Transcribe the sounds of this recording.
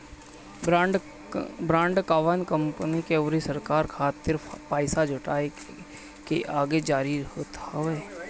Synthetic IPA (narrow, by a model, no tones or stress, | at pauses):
ɖ | bɾãːɳɖkaːʋənkə̃mpnikeəʋɾisəɾkaːɾkʰaːt̪ɪɾpaːɪsad͡ʒʱʊʈaːe | keʔaːɡed͡ʒaːɾiɦoːt̪a